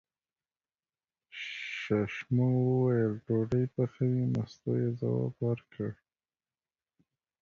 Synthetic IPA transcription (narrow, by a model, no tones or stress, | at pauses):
ʃaʃmowəwajəlɖoɖəjpəxəmemast̪ojeza̰wɑ̰bwəɾkʰəɽ